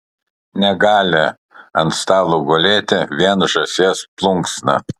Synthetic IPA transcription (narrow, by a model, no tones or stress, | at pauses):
nʲɛɡɑːlʲɪ | ɐnt̪st̪ɑːlˠoɡoːlʲeːt̪ʲɪʋʲiɛnʒɐsʲeːsplˠʊŋksnɐ̰